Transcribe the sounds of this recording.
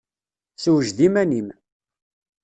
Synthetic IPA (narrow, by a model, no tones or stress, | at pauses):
səwəʒd̪imænim